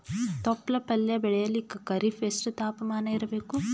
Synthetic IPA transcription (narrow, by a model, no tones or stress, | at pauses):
t̪opːlɐpɐljɐbɛɽɐjɐlːikːɐkɐɾifʰeːsʈut̪aːpɐmaːnɐiɾɐbeːku